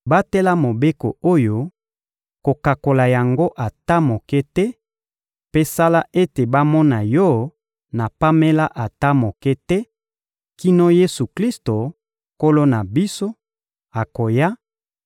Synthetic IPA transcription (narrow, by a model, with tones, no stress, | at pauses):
ba˦tɛ˦la˦mo˨be˦ko̰˨o˦jo˦ | ko˨ka˨ko˨la˨ja˨ŋɡo˦ʔa˨ta˦mo˨kɛ˦tɛ˦ | pe˦sa˦la˦ʔe˦te˨ba˦mɔ˦na˨jɔ˦ | na˨pa˦me˦la˦ʔa˨ta˦mo˨kɛ˦tɛ˦ | ki˦no˦je˦su˨kli˦sto˨ | ko˦lo˦na˨bi˦so˦ | a˨ko˨ja˦